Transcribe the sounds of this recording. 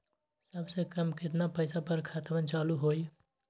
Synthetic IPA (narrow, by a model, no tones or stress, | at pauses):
səbsekəmkɪt̪napəɪsapəɾkʰat̪ʋənt͡ʃaːluɦoːi